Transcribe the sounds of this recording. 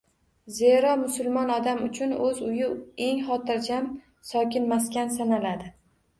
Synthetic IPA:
zeɾɒmʊsʊlˠmɒnɒd̪amʊt͡ʃʰʊnɵzʊjɪe̞ŋχɒt̪ʰɪɾd͡ʒam | sɒkʲɪnmaskʲansanalad̪ɪ

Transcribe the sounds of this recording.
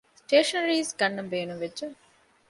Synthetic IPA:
sʈeːʃɐnɾiːsɡɐnːɐmbeːnumʋedʒe

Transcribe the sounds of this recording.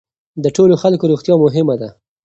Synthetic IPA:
d̪əʈoloxalkoɾoɣt̪jɑmʊɦɪmad̪a

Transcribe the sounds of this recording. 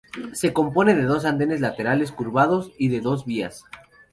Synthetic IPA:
se̞ko̞mpo̞ne̞ðeðo̞s̬and̪e̞ne̞zlat̪eɾale̞s̬kuɾβaðo̞siðe̞ðo̞zβia̰s

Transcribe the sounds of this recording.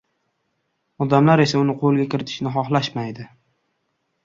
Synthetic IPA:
ɒd̪amlaɾe̞saʊnɪqʰolˠɡʲakʰʲɪɾɪt̪ʰɪ̥ʃnɪχɒχlˠaʃmajd̪ɪ

